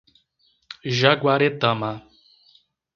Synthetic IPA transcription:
ʒaɡwaɾet̪ãma

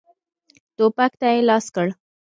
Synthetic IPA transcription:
t̪opakt̪ajelɑskəɽ

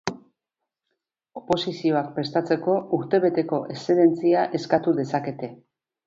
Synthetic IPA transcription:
o̞po̞sisio̞ak̚pɾe̞st̪at͡se̞ko̞uɾt̪e̞βe̞t̪e̞ko̞ʔe̞seðe̞nt͡siaʔe̞skat̪uðe̞sake̞t̪e̞

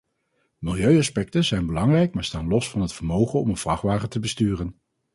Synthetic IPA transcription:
mɪlˠjøɥɑspɛk̚təzɛjnbəlɑŋrɛjkmaːɹstaːnlɔsfɑnɦətfəɹmowχənɔmənv̥rɑχʋaːχətəbəstyːrən

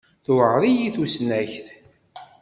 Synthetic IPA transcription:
θuʕɾˤijiθusnæçθ

